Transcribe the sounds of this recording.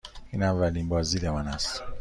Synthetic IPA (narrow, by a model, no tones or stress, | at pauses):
iːnavːæliːnbɒːzilemanast̪